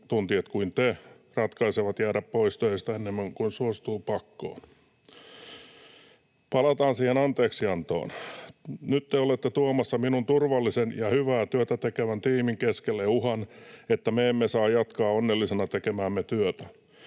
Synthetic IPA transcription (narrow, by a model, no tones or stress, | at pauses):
t̪unt̪iet̪kuint̪e | rɑt̪kɑiseʋɑt̪jæːɾæppoist̪øist̪æenːemːæŋkunsuost̪uːpɑkːo̰ːn | pɑlɑt̪ɑːnsiːhenɑnt̪eːksiɑnt̪o̰ːn | nyt̪t̪eolet̪ːet̪uomɑsːɑminunt̪urʋɑlːisenjɑhyʋæːt̪yøt̪æt̪ekeʋænt̪iːmiŋkeskelːeuhɑnet̪ːæmeemːesɑːjjɑt̪kɑːonːelːisenɑt̪ekemæːmːet̪yøt̪æ